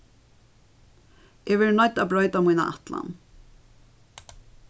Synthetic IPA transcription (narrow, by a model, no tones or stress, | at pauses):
ʔɛʋɛːɹnœt̪abɹœʏt̪amujna̰ʔa̰t̪la̰n